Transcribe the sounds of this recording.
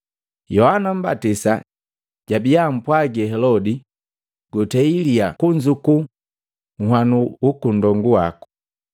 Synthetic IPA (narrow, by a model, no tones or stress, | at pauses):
jɔhanam̩ba̰tisa̰ | ɟ̥abijam̩pwaɡɛɦɛlɔdi | ɡ̥utɛiliakuɲd͡ʒuku | ŋ̩hwanuukundɔŋɡuwa̰ku̥